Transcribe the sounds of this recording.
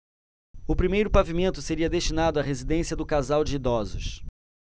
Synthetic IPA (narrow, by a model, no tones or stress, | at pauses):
ʊpɾimejɾʊpavimẽnt̪ʊseɾiɐd̪eʃt͡ʃinad̪ʊaɦezid̪ẽsiɐd̪ʊkazawd͡ʒɪid̪ɔzʊ̰ʃ